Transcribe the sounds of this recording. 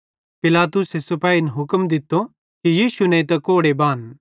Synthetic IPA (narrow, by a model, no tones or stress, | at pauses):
pɪlaːt̪ʊsesɐpaːinɦʊkmd̪ɪt̪ːo | kijiːsunɐ̃it̪ɐkoːɽebaːn